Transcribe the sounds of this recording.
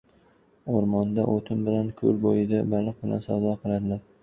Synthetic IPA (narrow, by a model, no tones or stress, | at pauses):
oɾmɒnd̪aʔot̪ʰɪmbɪlankʰɵlbojɪd̪abalɨq̚bɪlʔa̰nsawd̪ɒqʰɨlˠad̪ɪlaɾ